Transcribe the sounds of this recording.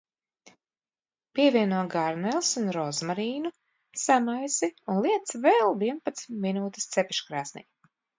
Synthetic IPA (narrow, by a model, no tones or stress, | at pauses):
piɛvʲiɛnuɔɡaɾnɛlˠsunɾɔzmaɾiːnu | samajsiunlˠiɛt̪svɛlˠviɛnpat̪st̪minuːt̪ist̪sepiʃkɾaːsnḭ